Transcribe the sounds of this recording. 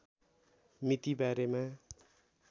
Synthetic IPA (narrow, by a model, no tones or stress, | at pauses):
mit̪ibaɾema